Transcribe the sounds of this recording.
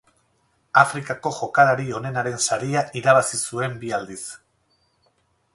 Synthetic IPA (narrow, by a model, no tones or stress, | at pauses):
afɾikako̞ʝo̞kalaɾio̞ne̞naɾe̞nsaɾiaʔiɾaβasisue̞mbiald̪is